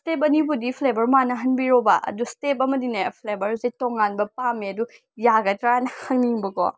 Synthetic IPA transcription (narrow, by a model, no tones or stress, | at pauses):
step̬̚ɐnibudipʰlebɐɾmanɐɦɐnbiɾobɐʔɐ̰dustep̚ɐmɐdinɐpʰlebɐɾzetoŋanbɐpameɐdu | jaɡɐtɾanɐhɐŋniŋbɐkɔ̰